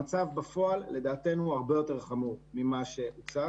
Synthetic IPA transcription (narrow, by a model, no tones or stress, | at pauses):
at͡savbafo̞alːe̞d̪aːt̪e̞nuaʁbe̞jo̞te̞ʁχamuʁmimaʃe̞ut͡sa